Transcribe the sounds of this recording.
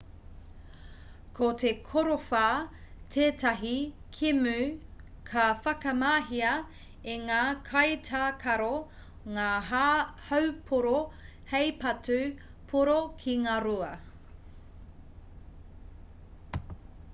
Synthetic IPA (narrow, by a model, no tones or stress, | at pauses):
kʰotʰekʰoɾofaːtʰeːtɐɦikʰimʉkʰɐfɐkɐmaːɦiɐ | eŋaːkʰɐjtʰaːkʰɐɾo | ŋaː | hɐwpʰoɾo | hejpɐtʉ | pʰoɾokʰiŋaːɾuɐ